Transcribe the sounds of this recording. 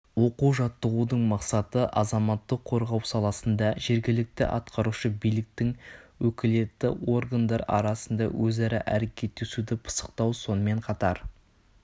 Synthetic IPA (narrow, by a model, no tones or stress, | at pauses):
wo̞quwʒɑt̪ːəʁud̪əɴmɑqsɑt̪əʔɑzɑmɑt̪ːəqʰːo̞ɾʁɑwsɑlˠɑsənd̪ɑʒe̞ɾɡʲɪlɪk̚t̪ɪ̰ʔɑt̪qɑɾuʃəbijlɪk̚t̪ɪŋwɵkʲɪle̞t̪ːɪ̰o̞rɡand̪ɑɾɑ̰ɾɑsənd̪ɑwʔɵzɑɾɑʔæɾekʲʰe̞t̪ːesud̪ɪpʰə̥sə̥q̚t̪ɑwso̞nəme̞ɴqʰɑt̪ɑɾ